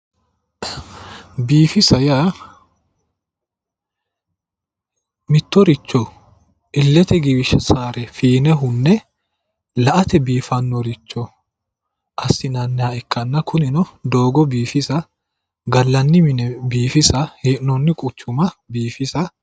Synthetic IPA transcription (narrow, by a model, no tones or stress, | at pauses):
biːfɪsɐjaː | mɪt̪ːɔɾɪt͡ʃːɔ | ʔɪlːɛt̪ɛɡɪbɪʃɐsaːɾɛfiːnɛɦʊnːɛ | lɐʔɐt̪ɛbiːfɐnːɔɾɪt͡ʃːɔ | ʔɐsːɪnɐnːɛaɛkːɐnːɐkʊnɪnɔd̪o̞ːɡɔbiːfɪsɐ | ɡɐlːɐnːɪmɪnɛbiːfɪsɐheːʔnɔnːɪkʼʊt͡ʃːʊmɐbiːfɪsɐ